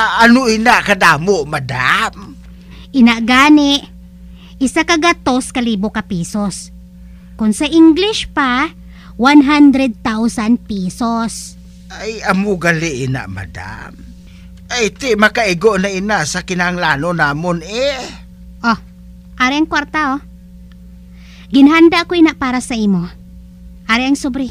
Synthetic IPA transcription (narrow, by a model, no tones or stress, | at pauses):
ʔanoʔinaʔkad̪aːmoʔmad̪am | ʔɪnaʔɡaːnɪʔ | ʔɪsakɐɡat̪oskɐliːbokɐpiːsos | kʊnsɐʔɪŋɡlɪʃpa | wanɦand̪ɾɛd̪̚t̪awsanpiːsos | ʔajamoɡalɪʔɪna̰ʔma̰d̪a̰m | ʔajt̪ɪmɐkaʔɪɡoʔnainasakɪnahaŋlaːnonaːmone | ʔo | ʔaɾiɐŋkwaɾt̪aʔo | ɡɪnɦand̪akoinaʔpaːɾasɐʔiːmo | ʔaɾɪʔaŋsʊbɾɪ